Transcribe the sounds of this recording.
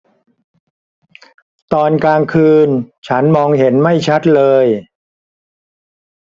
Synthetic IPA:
t̪ɔː˧nkaː˧ŋkʰɯː˧nt͡ɕʰa˦˥nmɔː˧ŋɦe˩˦nma˥˩jt͡ɕʰa˦˥t̪̚lɤː˧j

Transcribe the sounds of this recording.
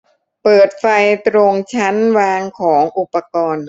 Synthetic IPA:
pɤː˨˩t̪̚fa˧jt̪ɾo˧ŋt͡ɕʰa˦˥nwaː˧ŋkʰɔː˩˦ŋʔu˨˩pːa˧kɔː˧n

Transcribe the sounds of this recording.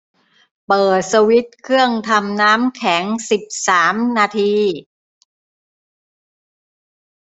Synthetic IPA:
pɤː˨˩t̪̚sa˧wi˦˥t̪̚kʰɯ˥˩əŋt̪ʰa˧mnaː˦˥mkʰɛ˩˦ŋsi˨˩p̚saː˩˦mnaː˧t̪ʰiː˧

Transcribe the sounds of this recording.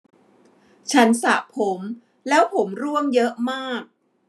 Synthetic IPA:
t͡ɕʰa˦˥nsa˨˩pʰo˩˦m | lɛː˦˥wpʰo˩˦mɾu˥˩əmjɤ˦˥ʔmaː˥˩k̚

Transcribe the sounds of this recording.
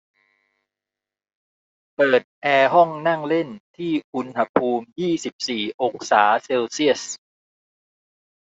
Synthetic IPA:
pɤː˨˩t̪̚ʔɛː˧ɦɔ˥˩ŋna˥˩ŋle˥˩nt̪ʰiː˥˩ʔu˧nha˧pʰuː˧mjiː˥˩si˨˩p̚siː˨˩ʔo˧˥ŋsaː˩˦se˧wsi˥˩əs

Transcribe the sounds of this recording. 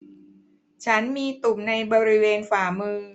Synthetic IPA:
t͡ɕʰa˦˥nmiː˧t̪u˨˩mna˧jbɔː˧ɾi˦˥weː˧nfaː˩˦mɯː˧

